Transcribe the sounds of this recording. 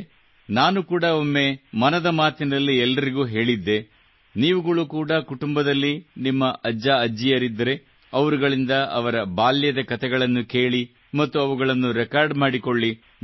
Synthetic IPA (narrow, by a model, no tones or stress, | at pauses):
naːnukuːɽɐo̞mːe̞mɐnɐd̪ɐmaːt̪inɐlːiɛlːɐɾiɡuːɦe̞ːɭid̪ːe̞ | niːʋuɡɐɭukuːɽɐkuʈumbɐd̪ɐlːinimːɐʔɐd͡ʒːaɐd͡ʒːijɐɾid̪ːɐɾe̞ | ɐʋɐɾuɡɐɭind̪ɐɐʋɐɾɐbaːljɐd̪ɐkɐt̪ʰɛɡɐɭɐnːuke̞ːɭi | mɐt̪ːuɐʋuɡɐɭɐnːuɾɛkaːɾɖmaːɽiko̞ɭːi